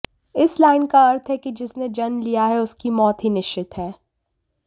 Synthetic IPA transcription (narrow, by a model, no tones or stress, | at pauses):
ɪslaːɪnkaɐɾt̪ʰɦɛked͡ʒɪsned͡ʒɐnlijaɦɛʊskimɔːt̪ɦinɪʃt͡ʃɪt̪ɦɛː